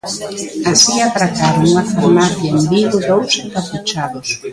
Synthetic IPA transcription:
asiat̪ɾakaɾʊŋuŋafaɾmaθjaembilʊðowsɪpaput͡ʃaðʊs

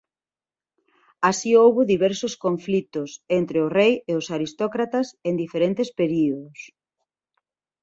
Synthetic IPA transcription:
asiowβʊðiβɛɾsoskoɱflit̪ʊsent̪ɾeʊrejeʊsaɾist̪ɔkɾat̪asend̪ifeɾent̪espeɾioðʊs

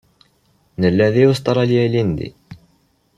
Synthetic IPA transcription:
nəlːæðiust̪ˤɑɾˤɑljælind̪ḭ

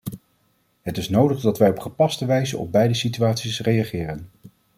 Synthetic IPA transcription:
ɦətɪsnowdəχdɑtʋɛjɔpχəpɑstəʋɛjzəɔ̰b̚bɛjdəsityaːtsisrejɑχɪːrən

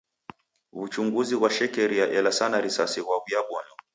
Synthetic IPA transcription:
ut͡ʃuŋɡuziwaʃɛkɛɾijaʔɛlasanaɾisasiwaujaɓɔnɔ

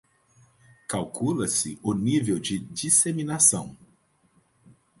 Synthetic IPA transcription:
kawkulɐsɪʊnivewd͡ʒɪd͡ʒiseminasɐ̃w̃

